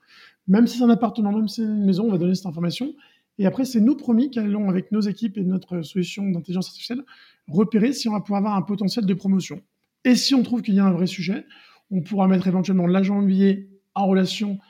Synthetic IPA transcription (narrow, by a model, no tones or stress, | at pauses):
mɛmsisɛɛ̃napaʁt̪əmɑ̃mɛmsɛynmezɔ̃ɔ̃vad̪ɔnes̬ɛ̥t̪ɛ̃fɔʁmasjɔ̃ | eapχɛsɛnupχɔmikalɔ̃avɛknozekʲipenɔt̪χəsɔlysjɔ̃d̪ɛ̃t̪eliʒɑ̃sḁʁt̪i̥fisjɛl | ʁəpeʁesiɔ̃vapuvwaʁavwaʁɛ̃pɔt̪ɑ̃sjɛld̪əpχɔmɔsjɔ̃ | esiɔ̃t̪χuvkiljaɛ̃vʁɛsyʒɛ | ɔ̃puʁamɛt̪χevɑ̃t̪ɥɛlmɑ̃laʒɑ̃ɥije | ɑ̃ʁəlasjɔ̃